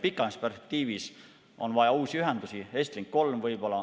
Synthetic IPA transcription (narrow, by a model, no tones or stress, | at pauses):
pikːˑɑnɑsperspek̚t̪iːvis | onvɑjɑuːsiyɦend̪usiest̪liŋkko̞lmvɤjb̥o̞lɑ